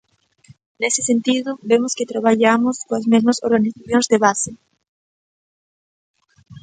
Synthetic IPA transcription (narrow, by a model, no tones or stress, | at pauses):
nesɪsent̪iðʊβemʊskɪt̪ɾaβaʎamʊskoɐzmezmɐsoɾɣaniθaθjõŋzðeβasɪ